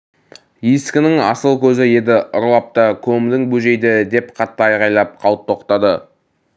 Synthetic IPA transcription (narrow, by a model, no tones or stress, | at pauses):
jiskʲɪnɪŋɑ̰səlˠkʲʰɵzɪje̞d̪ɪʔʊɾlˠɑp̚t̪əkʲʰɵmd̪ɪŋbɵʒe̞jd̪ɪd̪e̞pqʰɑt̪ːəɑjʁɑjlˠɑp̚qʰɑlwt̪ʰːo̞qt̪ɑd̪ə